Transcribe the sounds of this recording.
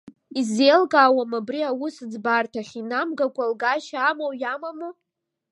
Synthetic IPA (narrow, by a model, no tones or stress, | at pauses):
izelɡaːwamabriawʊsɨd͡zbartʰaχʲinamɡakʷʼalɡaʃaamowjamamu